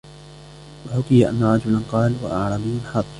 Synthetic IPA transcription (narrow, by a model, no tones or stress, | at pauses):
waħʊkɪjaʔa̰nːaɾˤɑd͡ʒʊlanqɑːlwa̰ʔɑʕɾˤɑːbɪjːʊnħɑðˤ